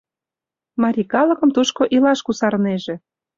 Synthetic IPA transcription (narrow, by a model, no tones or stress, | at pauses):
mɑɾʲikɑlɤ̆kɤ̆mt̪uʃkoʔilɑʃkusɑɾneʒĕ